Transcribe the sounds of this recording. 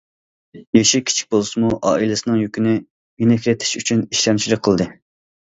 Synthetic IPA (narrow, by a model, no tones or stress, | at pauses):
jeʃikʲʰi̥t͡ʃʰi̥k̚ʲbolˠɨsɨmuʔɑ̰ːilɨsɨnɨŋjykʲʰinɪ | menɪkʲʰlɪt̪ʰɪ̥ʃyt͡ʃʰyniʃlɑnt͡ʃʰilˠɨk̚ʲqʰəlˠd̪ɨ